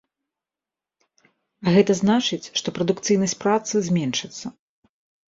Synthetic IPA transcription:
ɣɛt̪ɐznat͡ʂɨt͡sʲʂt̪ɔpɾɐd̪ukt̪sɨjnɐsʲpɾat̪sɨzʲmʲɛnʂɨt̪sːɐ

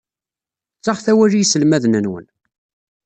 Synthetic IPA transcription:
t͡sːɑχθæwærijsəlmæðnənwə̰n

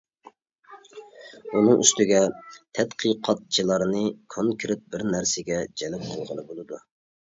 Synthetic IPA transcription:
unɨŋʔy̰st̪ɪɡʲɛt̪ʰɛt̪qʰɨqʰɑt̪̚t͡ʃʰilˠɑɾnɨkʰoŋkʲʰɾɪt̪̚bɪɾnæɾsɪɡʲɛd͡ʒɛlɛp̚qʰəlˠʁəlˠɨbolˠɨd̪u

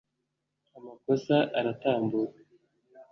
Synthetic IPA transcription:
amako̞saʔaɾataːmbuɾa

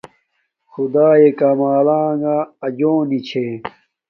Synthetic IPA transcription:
xud̪aːekamaːlaːŋaɐd͡ʑõːnit͡ɕʰe

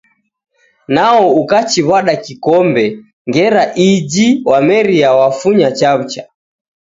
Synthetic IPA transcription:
naɔukat͡ʃiβaɗakikɔmbɛ | ŋɡɛɾaʔid͡ʒiwamɛɾiawafuɲat͡ʃaβ̩ut͡ʃa

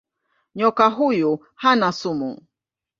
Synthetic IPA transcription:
ɲɔkaɦuju | hanasumṵ

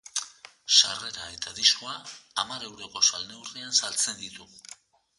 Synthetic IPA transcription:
ʃare̞ɾae̞t̪aðisko̞aːmaɾe̞wɾo̞ko̞salne̞wriansalt͡se̞nd̪it̪u

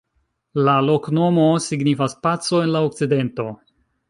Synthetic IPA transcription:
lalo̞kno̞mo̞siɡnifaspat͡so̞e̞nlaok̚t͡side̞nto̞

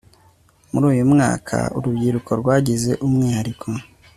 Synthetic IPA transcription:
muɾuːjumŋa̰ːkʰa̰ṵɾubɡiːɾukoɾɡwaːɟize̞̰ʔumŋiːhaɾikʰo̞

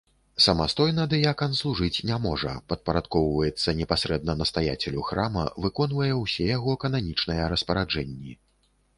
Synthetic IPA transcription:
sɐmast̪ɔjnɐd̪ɨjakɐnslˠuʐɨt͡sʲnʲamɔʐɐ̰pɐt̪̚pɐɾat̪kɔwvɐjɛt̪sːɐnʲɛpasɾɛd̪̚nɐnɐst̪aja̰t͡sʲɛlʲuxɾamɐ̰vɨkɔnvɐjɛwsʲɛjaɣɔkɐnamʲit͡ʂnɐjɛɾɐspɐɾad͡ʐɛnʲːi

